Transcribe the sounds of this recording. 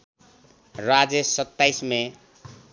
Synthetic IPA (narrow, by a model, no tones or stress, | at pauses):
rad͡zesʌt̪ːajsme